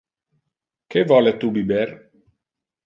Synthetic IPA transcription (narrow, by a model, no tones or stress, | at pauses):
kevɔlet̪ubibeɾ